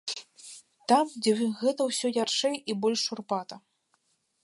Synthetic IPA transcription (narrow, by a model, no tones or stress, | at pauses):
t̪amd͡zʲɛɣɛt̪ɐwsʲɔjaʂɛjibɔlʲʂurpat̪ɐ